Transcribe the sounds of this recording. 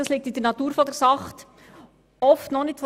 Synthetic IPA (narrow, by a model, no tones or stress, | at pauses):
ɑsliːk̚tɪdɛɾnɑtuːɾfɔdɛɾsɑχt | ɔftnɔχnɪtf